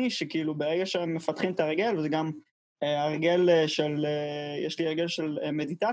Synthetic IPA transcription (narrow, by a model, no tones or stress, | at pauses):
iʃekiilubeʁeɡaʃeemːefat̪χimt̪aeʁɡe̞lvezeɡam | eaʁɡe̞lʃelejɛʃliaʁɡe̞lʃeleme̞dit̪a